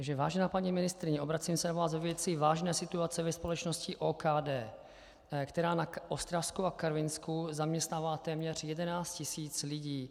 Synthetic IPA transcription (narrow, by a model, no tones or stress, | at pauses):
aɡʒɛvaːʒɛnaːpaɲimɪnɪst̪ɾɪɲɛo̞bɾat͡simsɛnavaːszvovjɛt͡sɪvaːʒnɛːsɪt̪uat͡sɛvɛspo̞lɛt͡ʃnoscɪʔoːkaːdɛː | kt̪ɛɾaːnaʔost̪ɾafskuakaɾvɪnskuzamɲɛst̪naːvalt̪ɛːmɲɛr̝̥jɛdɛnaːt͡st̪cɪsiːt͡slɪɟiː